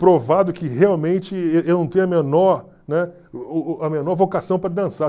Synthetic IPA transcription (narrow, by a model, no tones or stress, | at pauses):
pɾovad̪ʊkɪheawmẽnt͡ʃɪeewnɐ̃w̃t̪ẽɲ̃ɐmenɔɾ | nɛ | ɐmenɔɾvokasɐ̃w̃pɾɐd̪ɐ̃sa